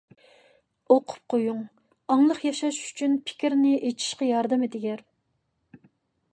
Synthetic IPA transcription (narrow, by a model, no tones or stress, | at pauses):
oqʰʊ̥p̚qʰojuŋ | ɑŋlˠəχjɑʃɑʃy̥t͡ʃʰynpʰɪ̥kʲiɾnɪʔet͡ʃʰi̥ʃqɑjɑɾd̪ɨmɨd̪ɪɡʲɛɾ